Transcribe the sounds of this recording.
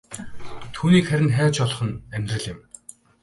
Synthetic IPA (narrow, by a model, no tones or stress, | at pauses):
t̪ʰuːniːkχæɾʲɪ̆nχæːt͡ɕɔɮɞ̆χə̆næmʲt̪rə̆ɮɪ̆m